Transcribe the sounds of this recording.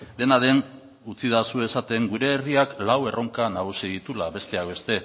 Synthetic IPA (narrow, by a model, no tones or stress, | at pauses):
d̪e̞naðe̞n | ut͡siðasue̞sat̪e̞ŋɡuɾe̞ːriaklawe̞rʔo̞ŋkanaɣ̞usið̞it̪ulaβe̞st̪e̞akbe̞st̪e̞